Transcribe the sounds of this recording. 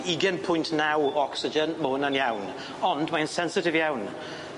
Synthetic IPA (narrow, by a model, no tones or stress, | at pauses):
iɡənpʰʊjntʰnawɔksɪd͡ʒənmonanjawn | ɔndmaənsɛnsɪtɪvjawn